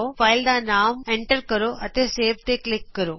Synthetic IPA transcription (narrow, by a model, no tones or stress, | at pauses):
ofaːjld̪anaːmeɳʈəɾkəɾoʔɐt̪eseːʋt̪eklɪkːəɾoː